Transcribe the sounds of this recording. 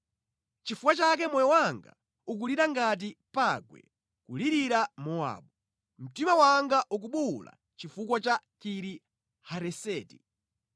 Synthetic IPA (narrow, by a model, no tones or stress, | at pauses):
t͡ʃifukwat͡ʃak̬ɛmɔjɔwaŋɡa̰ | uk̬uliɾaŋɡat̬ipaɡwɛ̰ | kuliɾiɾamɔa̰ːɓu | m̩timawaŋɡaʔuk̬uɓula̰ | t͡ʃifukwat͡ʃakiɾi | haɾɛsɛːti